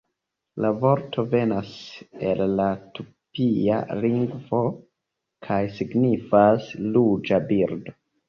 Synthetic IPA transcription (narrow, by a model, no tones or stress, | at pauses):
lavo̞ɾtʰo̞ve̞nase̞lːatupia̰liŋɡvo̞ | kʰajsiɡnifaslud͡ʒabiɾdo̞